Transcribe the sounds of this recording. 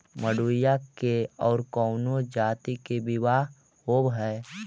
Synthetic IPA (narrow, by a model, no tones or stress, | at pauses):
məɽuːjakeɔːɾkɔːnod͡ʒaːt̪ikebɪʋaːɦ | hoːbɦɛː